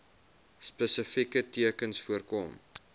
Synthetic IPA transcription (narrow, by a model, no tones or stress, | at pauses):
spəsəfikətiəkənsfuərkom